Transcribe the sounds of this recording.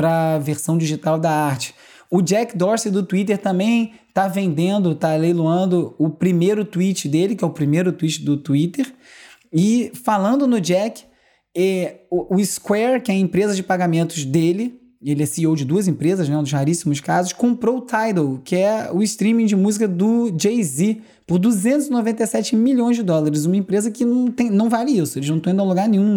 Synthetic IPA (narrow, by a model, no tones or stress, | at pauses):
pɾɐvesɐ̃w̃d͡ʒiʒit̪awd̪ɐaɾt͡ʃɪ̥ | ʊd͡ʒɛkd̪ɔɾsɪd̪ʊt̪uit̪̬eɾt̪ɐ̃mbẽj̃ | t̪avẽnd̪ẽnd̪ʊt̪alejloɐ̃nd̪ʊʊpɾimejɾʊt̪uit͡ʃɪd̪elɪkɪɛʊpɾimejɾʊt̪uit͡ʃɪd̪ʊt̪uit̪eɾ | ɪfalɐ̃nd̪ʊnʊd͡ʒɛkɪ̥ | ɛʊɪskwɛɾkɪɛɐẽpɾezɐd͡ʒɪpaɡamẽnt̪ʊzd̪elɪ | elɪɛsiowd͡ʒɪd̪uɐzẽpɾezɐznɛũd̪ʊhaɾisimʊskazʊʃkõpɾoʊt̪ʰajd̪owkɪɛʊɪst̪ɾĩmĩd͡ʒɪmuzikɐd̪ʊd͡ʒejzi | pʊɾd̪uzẽnt̪ʊzɪnovẽnt̪ejsɛt͡ʃɪmilõj̃zd͡ʒɪd̪ɔlaɾɪz̬ũmɐẽpɾezɐkɪnɐ̃w̃t̪ẽj̃nɐ̃w̃valɪisʊelɪznɐ̃t̪ĩd̪ɐloɡaɾnẽɲũ